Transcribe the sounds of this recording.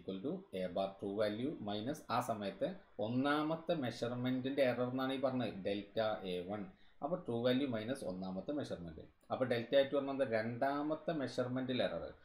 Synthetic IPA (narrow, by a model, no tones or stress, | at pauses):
kwɐlʈueːbaːrʈruːʋaːljumɐjnɐsaːsɐmɐjɐt̪ːɨo̞nːaːmɐt̪ːɨme̞ɕɐrme̞ndinde̞ːrɐrenːaːɳiːpɐrɐɲːuɨɖe̞ltːaʔeːʋɐn | ɐpːoːʈruːʋaːljumɐjnɐso̰nːaːmɐt̪ːɨme̞ɕɐrmenɖɨ̰ | ɐpːoːɭɖe̞ltːaːjitːuʋɐrɐnːɐnðɨɾe̞ɳɖaːmɐt̪ːɨme̞ʂɐrme̞nɖilerɐ̰rɨ̰